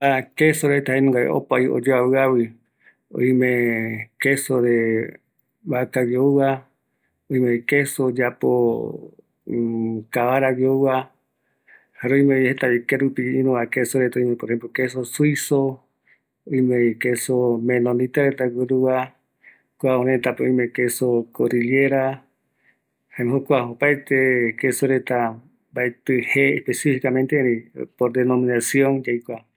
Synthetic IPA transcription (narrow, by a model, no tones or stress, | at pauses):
akesoɾet̪ahenũŋɡaḛʔo̰pajo̰d͡ʒoaβɨawi | õ̰ĩmẽkesoɾe | βakawiouwa | oĩmeikesod͡ʒapo | kaβaɾawjouβa | haɾoĩmẽhet̪aikeɾupiĩɾũβakesoɾet̪aõijmẽpoɾehẽmplokes̬osuiso | õjmekesomẽlõnĩt̪aɾet̪aɡɨɾua | kʷaõɾẽt̪apeõjmekesokoɾileɾa | hãɦokʷaopajt̪ekesoɾet̪a | baet̪ɨheehpesifikamẽnt̪eɾĩpoɾd̪enõmĩnasiõŋd͡ʒajkʷa